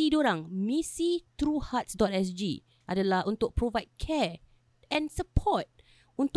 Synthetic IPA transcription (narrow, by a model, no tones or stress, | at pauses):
idoɾãŋmĩsit̪ɾuhat̚sdɔtɛs̬d͡ʒḭ | ʔadalahʔunt̪ʊk̚pɾovajd̚kʰɛ | ɛ̃nsəpʰɔt̚ | ũnt̪